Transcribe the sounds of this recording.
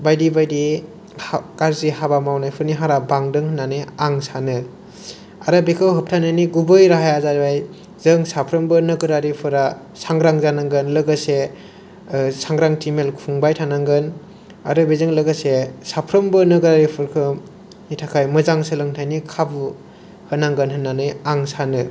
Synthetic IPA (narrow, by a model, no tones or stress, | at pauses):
bajdibajdi | kaɾzihabamawnajpʰɯɾniɦaɾabaŋdɯŋhɯnːanɯaŋsanɯ | aɾɯbekʰɯwɦɯp̚tʰananiɡubɯjɾaɦajazaɾbaj | zɯŋsapʰɾɯmbɯnɯɡɯɾaɾipʰɯɾa | saŋɡɾaŋzanaŋɡɯnlɯɡɯse | saŋɡɾaŋtimelkʰuŋbajtʰanaŋɡɯn | aɾɯbezɯŋlɯɡasesapʰɾɯmbɯnɯɡɯɾaɾipʰɯɾkʰɯ | nitʰakʰajmɯzaŋsɯlɯŋtʰajnikʰabu | hɯnaŋɡɯnɦɯnːanɯjaŋsanɯ